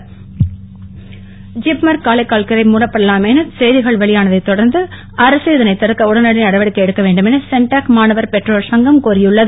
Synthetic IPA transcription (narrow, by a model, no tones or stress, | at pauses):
d͡ʒɪpmɐɾkaːlɐɪkːaːlkɐɾɐɪmuːɽɐpːɐɽɐlaːmeːnɐsɛjðɪɣɐɭʋɐɭɪjaːnɐðɐɪt̪ːɔɽɐɾnd̪ɯ | ʔɐɾɐseːðɐnɐɪt̪ːɪɾɐkːɐʊɽɐnɐɽɪnɐɽɐʋɐɽɯkːɐɛɽɯkːɐʋeːɳɖɯmɛnɐsɛɳʈaːkmaːnɐʋɐɾpɛʈroːlsɐŋɡɐmkuːɾɪjɯɭːɐðɯ